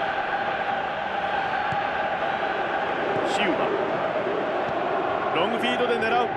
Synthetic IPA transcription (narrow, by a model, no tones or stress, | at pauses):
ɕiɯɡa̰ | ɾõŋɡɯɸʲiːd̪o̞d̪e̞ne̞ɾaɯ